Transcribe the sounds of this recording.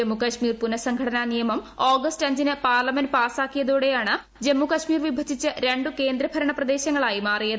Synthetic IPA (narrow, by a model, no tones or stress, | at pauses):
emːukɐɕmiːrpunɐsɐŋɡʱɐʈɐnanijɐmɐmoːɡɐstɐɲd͡ʑinɨpaːrlɐmenpaːsaːkːijɐðuːɽe̞jaːɳɨ | d͡ʑemːukɐɕmiːrʋibʱɐt͡ɕʰːit͡ɕːɐɾe̞ɳɖuke̞ːnd̪ɾɐbʱɐɾɐɳɐprɐd̪e̞ːɕɐŋːɐɭaːjimaːrijɐðɨ